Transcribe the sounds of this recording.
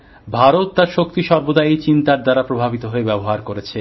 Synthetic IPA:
bʱaɾot̪ːaɾʃokt̪iʃɔɾbod̪ait͡ɕint̪aɾd̪aɾapɾobʱabit̪oɦoebɛboɦaɾkoɾet͡ɕʰe

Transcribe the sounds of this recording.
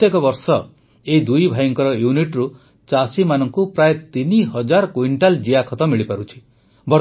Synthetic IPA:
ekɔbɔɾsɔ | eid̪ujbʱajɔŋkɔɾɔjuniʈɾu | t͡ʃasimanɔŋkupɾaet̪iniɦʌd͡ʒaɾkuiɳʈald͡ʒiakʰɔt̪ɔmiɭipaɾut͡ʃʰi̥ | bɔ

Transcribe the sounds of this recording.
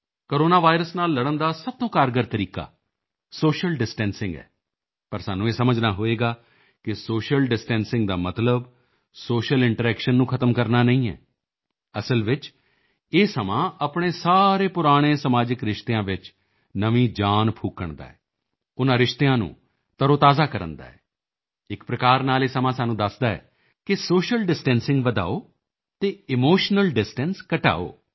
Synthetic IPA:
koːɾoːnaːʋaːɪɾəsnaːlːəɽənd̪aːsəb̚t̪õːkaːɾɡəɾt̪əɾiːka̰ː | soːʃəlɖɪsʈɛ̃ːnsɪ̃ŋɡɛ̰ː | pəɾsaːnːũːeːsəməd͡ʒnaːɦoːeːɡaː | kɪsoːʃəlɖɪsʈɛ̃ːnsɪ̃ŋɡ̚d̪aːmət̪ləb | soːʃəlɪɳʈəɾɛːkʃənːũːkʰət̪əmkəɾnaːnə̃ĩːɛ̰ː | əsəlʋɪt͡ʃ | eːsəmãːəpɳ̃eːsaːɾeːpʊɾaːɽ̃eːsəmaːd͡ʒɪkɾɪʃt̪eãːʋɪt͡ʃ | nəʋĩːd͡ʒaːnpʰuːkːəɳd̪a̰ːɛː | ʊnãːɾɪʃt̪eãːnṵ̃ː | t̪əɾoːt̪aːzaːkəɾə̰̃nd̪a̰ːɛ̰ː | ɪkpɾəkaːɾnaːleːsəmãːsaːnũːd̪əsd̪aːɛ̰ː | kɪsoːʃəlɖɪsʈɛ̃ːnsɪ̃ŋɡʋəd̪a̰ːoː | t̪eːɪmoːʃnəlɖɪsʈɛnskəʈa̰ːo̰ː

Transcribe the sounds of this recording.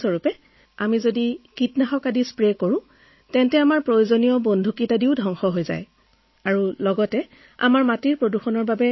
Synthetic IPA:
sɔɹupɛ | amizodikitnaxɔkadispɹɛkoɹʊ̃ | tɛntɛamaɹpɹojozonijɔbondʱukitadiʊdʱɔŋxɔɦojza̰j | aɹulɔɡɔtɛ | a̰maɹmatiɹpɹoduxɔnɔɹbabɛ

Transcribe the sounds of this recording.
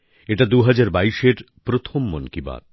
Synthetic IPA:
eʈad̪uɦad͡ʑaɾbaiʃeɾ | pɾot̪ʰomːonkiba̰ɾ

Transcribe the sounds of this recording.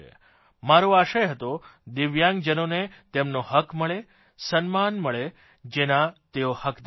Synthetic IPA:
ḛ | maɾoaʃəjɦət̪od̪ɪʋjãŋɡd͡ʒənonet̪emnoɦəkməɭe | sənmanməɭe | d͡ʒenat̪eohəkd̪

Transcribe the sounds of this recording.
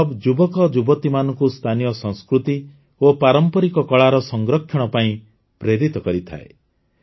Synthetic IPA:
ɔbd͡ʒubɔkɔd͡ʒubɔt̪imanɔŋkust̪ʰanijɔsɔ̃ŋskɾut̪i | opaɾɔmpɔɾikɔkɔɭaɾɔsɔŋɡɾɔkʰːjɔɽ̃ɔpaĩ | pɾeɾit̪ɔkɔɾit̪ʰa̰e

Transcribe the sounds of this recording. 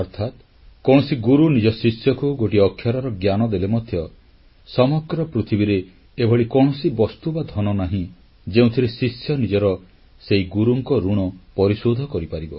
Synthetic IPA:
ɔɾt̪ʰat̪ | kɔɽ̃ɔsiɡuɾunid͡ʒɔsisjɔkuɡoʈiɔkʰjaɾɔɾɔɡjanɔd̪elemɔd̪ʱjɔ | sɔmɔɡɾɔpɾut̪ʰibiɾeː | bʱɔɽikɔɽ̃ɔsibɔst̪ubad̪ʱɔnɔnaɦĩ | d͡ʒeũt̪ʰiɾesisjɔnid͡ʒɔɾɔ | seiɡuɾuŋkɔɾuɽ̃ɔpɔɾisod̪ʱɔkɔɾipaɾibɔ

